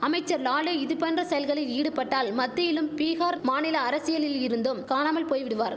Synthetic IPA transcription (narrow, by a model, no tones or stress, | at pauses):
ɐmɐɪt͡ʃːɐɾlaːɭɯɪðɯpɛndrɐsɐjɐlɣɐɭɪliːɽɯpːɐʈːaːlmɐt̪ːɪjɪlɯmpiːɣaːɾmaːnɪlɐːɾɐsɪjɐlɪlɪɾɯnd̪omkaːnaːmɐlpoːjʋɪɽɯʋaːɾ